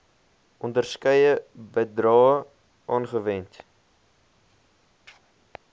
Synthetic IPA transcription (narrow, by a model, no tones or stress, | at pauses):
ʔɔndərskəjəbədrɑːə | ʔɑːnχəvɛnt